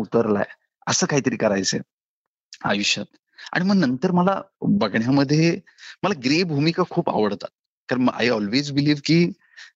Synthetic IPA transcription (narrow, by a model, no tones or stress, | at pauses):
ut̪əɾla̰j | əsəːkaɦiːt̪əɾiːkəɾajt͡sḛ | a̰juɕət̪ | a̰ɽ̃iməɡnənt̪əɾməlabəɡɳjaməd̪ʱːje | məlaɡɾebʱumikakʰuːpa̰ʋəɽt̪a̰t̪̚ | kaɾəɳməɡa̰jɔlʋed͡zbiliːʋkiː